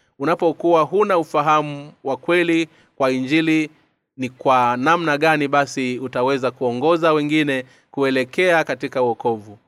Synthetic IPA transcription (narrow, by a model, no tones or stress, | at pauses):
unapɔkuwaɦunaufaɦamuwakwɛli | kwaiɲd͡ʒili | nikwanamnaɠaniɓasiutawɛzakuɔŋɡɔzawɛŋɡinɛ | kuɛlɛkɛakatikauɔkɔvu